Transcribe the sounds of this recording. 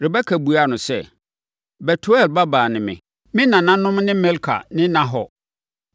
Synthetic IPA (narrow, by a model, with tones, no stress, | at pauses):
ɾɪ˨ba˦kʰæ˨bu˨a˦˨nʊ̃˨sɛ̰˦˨ | bɛ˨tʰu˦ɛ˦˨lba˦baː˨nɪ̃˨mɪ̰̃˨ | mɪ̃˦nã˨nã˦nʊ̃˦mnɪ̃˦mɛ˦lkʰa̰˨nɪ̃˦nã˨ɦɔ˨